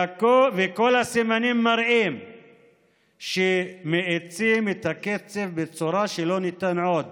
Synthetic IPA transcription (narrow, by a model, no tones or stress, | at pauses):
kovekolasimanimːaɾʔim | ʃemeʕet͡simit̪aket͡sefbet͡suɾaʃelonit̪anʕod̪